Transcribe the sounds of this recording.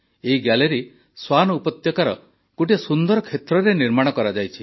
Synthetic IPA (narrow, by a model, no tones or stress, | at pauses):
eɦiɡjaleɾi | swanɔupɔt̪jɔkaɾɔ̰ | koʈiasund̪ɔɾɔkʰet̪ɾɔɾeniɾmaɽ̃ɔkɔɾad͡ʒajt͡ʃʰi